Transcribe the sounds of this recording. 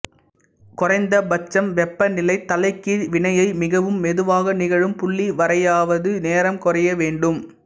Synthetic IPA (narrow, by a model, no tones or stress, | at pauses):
kʊrɐɪnd̪ɐbɐt͡ʃːɐmʋɛpːɐnɪlɐɪt̪ːɐlɐɪkːiʋɪɳɐjɐɪmɪɣɐʋɯmːɛðɯʋaːɣɐnɪɣɐɻɯmpʊɭːiʋɐɾɐjaːʋɐðɯneːɾɐmkɔrɐjɐʋeːɳɖɯm